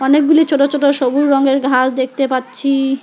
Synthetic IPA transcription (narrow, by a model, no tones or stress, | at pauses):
ɔnek̚ɡulit͡ɕʰoʈot͡ɕʰoʈoʃobuɾːɔŋɡeɾɡʱasd̪ek̚ʰt̪epatːɕʰi